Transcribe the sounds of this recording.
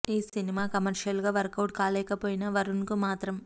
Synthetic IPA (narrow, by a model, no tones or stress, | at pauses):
iːsinimaːkɐmɐɾʂɐlɡaːʋɐɾkɐwʈ̚kaːlɛːkɐpoːjinɐʋɐɾunkumaːt̪ɾɐm